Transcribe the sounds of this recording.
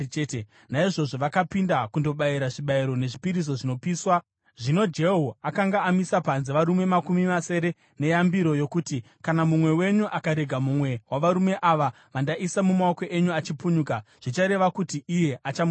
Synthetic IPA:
t | naiʐo̞ʐo̞ʋakapindakundo̞ɓaiɾaʐiɓaiɾo̞ne̞ʐipiɾis̬o̞ʐino̞piːswa | ʐino̞d͡ʒe̞ɦoakaŋɡaːmisapanzeʋaɾume̞makumimase̞ːɾe̞ | ne̞jambiɾo̞jo̞kuti | kanamumwe̞we̞ɲuʔakaɾe̞ɡʱamumwe̞waʋaɾume̞ʔaʋa | ʋandaʔisamumaokoʔeɲuat͡ʃipuɲukaʐ̥it͡ʃaɾe̞ʋakutiije̞at͡ʃamu

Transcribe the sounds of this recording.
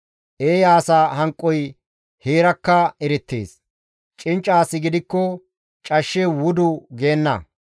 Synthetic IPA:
ʔeːjaːsaːhɐŋkʼːɔj | heːɾɐkːɐɛɾɛt̪ːḛːs | t͡ʃʼɪnt͡ʃʼːaːsɪɡɪd̪ɪkːɔ | t͡ʃʼɐʃːewʊd̪ʊɡe̞ːnːɐ̰

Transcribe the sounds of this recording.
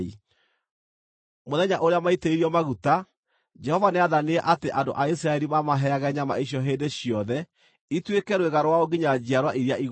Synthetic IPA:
i | moðɛɲaʔoɾeamaiteiɾiɔmaɣuta | d͡ʒɛhɔvaneaðaneɛʔateʔando̰ʔais̬ɾaɛɾimamaɦɛaɣɛɲama̰iɕjɔɦendeɕjɔðɛ | itwekɛɾweɣaɾwaoɡiɲad͡ʑiaɾwaʔiɾiaiɣ

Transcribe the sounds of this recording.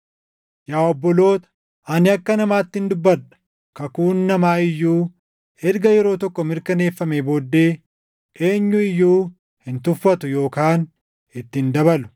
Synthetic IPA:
jaːɔbːɔlo̞ːt̪ɐ̥ | ʔɐnɪɐkːɐnɐmaːt̪ːɪɪnd̪ʊbːɐɐ̥ | kɐkuːnːɐmaːɪjːuː | hɛɾɡɐjɛɾo̞ːt̪ɔkːɔmɪɾkɐne̞ːfːɐmebo̞ːd̪ːe̞ː | ʔe̞ːɲːʊɪjːuː | hɪnt̪ʊfːɐt̪ʊjo̞ːkaːn | ɪt̪ːɪnd̪ɐbɐlʊ̥

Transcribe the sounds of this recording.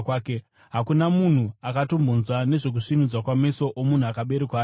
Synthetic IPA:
kaːke | ɦakunamun̤uakato̞mbʱonzwane̞ʐe̞k̬uʂinud͡zwakwame̞so̞ʔomun̤uakaɓe̞ɾekwaː

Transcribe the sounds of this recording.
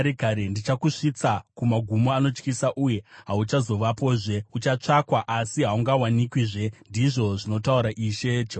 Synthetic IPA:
ɾekaɾendit͡ʃakuʂit͡sakumaɡʱumoano̞t͡ʃkisaʔuje̞ɦaut͡ʃazo̞ʋapo̞ːʐe̞ut͡ʃat͡ʂakwaʔasiɦauŋɡawanikwiʐe̞ndiʐo̞ʐino̞tauɾaʔiːʃe̞d͡ʒ

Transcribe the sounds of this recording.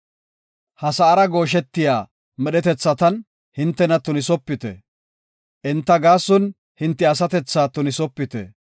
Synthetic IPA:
hɐsɐːɾɐɡo̞ːʃ̬ɛt̪ːɪjaː | mɛɗɛt̪ɛt͡sːɐt̪ɐn | hɪnt̪ːɛnɐt̪ʊnɪsɔpːɪt̪ɛ̰ | ʔɪnt̪ːɐɡaːsːʊn | hɪnt̪ːɛɐsɐt̪ɛt͡sːaːt̪ʊnɪsɔpːɪt̪ɛ̰

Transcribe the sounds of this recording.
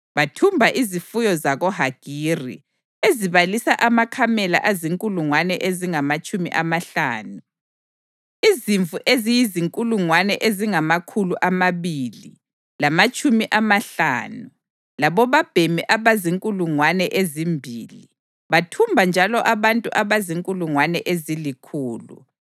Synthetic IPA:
βatʰumbʱaʔizifujɔzaɣɔɦaɡ̥ʱirḭ | eziβalisaʔamakʰamɛla̰ʔaziŋkʼuluŋwanɛʔeziŋamat͡ʃʼumḭʔamaɬa̰ːnu | iziɱfvuʔezijiziŋkʼuluŋwanɛʔeziŋamakʰuluʔamaβili | lamat͡ʃʼumiʔamaɬa̰ːnu | laβɔβab̥ʱemiʔaβaziŋkʼuluŋwanɛʔezimbʱili | βatʰumbʱand͡ʒʱalɔʔaβantʼuʔaβaziŋkʼuluŋwanɛʔezilikʰuːlṵ

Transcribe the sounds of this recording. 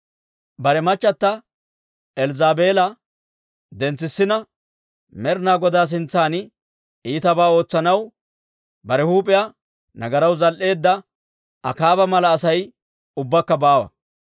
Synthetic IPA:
bɐɾɛmɐt͡ʃːɐt̪ːɐ | ɛlzaːbe̞ːlɐ | d̪ɛnt͡sːɪsːɪnɐ | mɛɾnaːɡɔd̪aːs̬ɪnt͡sːaːnɪ | iːt̪ɐbaːo̞ːt͡sːɐnɐw | bɐɾɛhuːpʼɪja | nɐɡɐɾɐwzɐlʔe̞ːd̪ːɐ | ɐ̰kaːbɐmɐlɐːsɐj | ʊbːɐkːɐbaːwɐ̰

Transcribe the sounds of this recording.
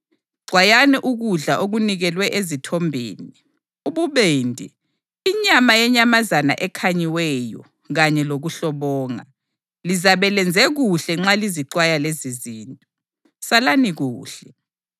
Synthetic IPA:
ǀʱwajanɛʔuɣuɮaʔoɣuniɣɛlwɛʔezitʰɔmbʱḛːni | uɓuβendʱḭː | ɲamajɛɲamazana̰ʔɛkʰaɲiwɛjɔ̰ | ɣaɲɛloɣuɬɔβɔːŋa̰ | lizaβɛlɛnd͡zʱɛɣuɬɛŋ͡ǁaliziǃwajaleziziːntʼɔ | salaniɣuːɬɛ

